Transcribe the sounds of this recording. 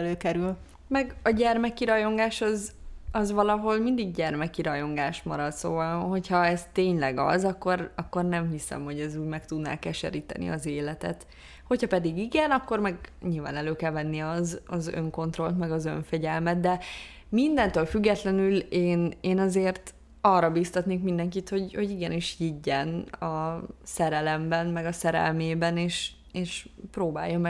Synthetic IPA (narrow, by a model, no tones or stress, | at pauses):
løːkɛɾyl | mɛɡɒɟɛrmɛkiɾɒjo̞ŋɡaːʃɒzɒzʋɒlɒɦo̞lmind̪iɡ̚ɟɛrmɛkiɾɒjo̞ŋɡaːʃmɒɾɒt̪so̰ːvɒlɦo̞chɒɛst̪eːɲlɛɡɒ̰zɒkːo̞rɒkːo̞rnɛmɦisɛ̰mho̞ɟɛzuːɟmɛkt̪ud̪na̰ːkɛʃɛ̰ɾiːt̪ɛ̰nḭɒzeːlɛt̪ɛ̰t̪ | ho̞chɒpɛd̪iɡiɡɛnɒkːo̞rmɛɡɲilva̰ːnɛløːkɛlvɛnːiɒzɒzø̰ŋko̞nt̪ro̞lt̪mɛɡɒzø̰ɱfɛɟɛlmɛt̪d̪ɛ | mind̪ɛnt̪øːlfyɡːɛt̪lɛnyleːneːnɒzeːrt̪ | ɒrːɒbist̪ɒt̪neːkmind̪ɛŋkit̪ho̞ɟho̞ɟiɡɛniʃhiɟːɛnɒsɛɾɛlɛmbɛnmɛɡɒsɛɾɛ̰lmeːbɛneːʃ | eːʃpɾoːba̰ːjːomɛ